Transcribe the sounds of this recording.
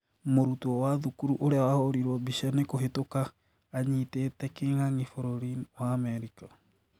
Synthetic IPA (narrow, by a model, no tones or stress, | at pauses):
moɾutuɔwaðukuɾuʔoɾeawahɔɾiɾwɔbiʃanekoɦetokaː | ɲitetɛkeŋaŋifɔɾɔɾinwaːmɛɾika